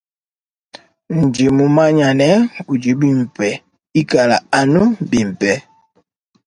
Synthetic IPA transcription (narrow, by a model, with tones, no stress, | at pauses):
n̩˨d͡ʒe˨mu˨ma˦ɲa˨nɛ˦u˨d͡ʒi˨˦bi˨m̩˨pɛ˨ | i˦ka˨la̰˨a˨nu˦bi˨m̩˨pɛ˨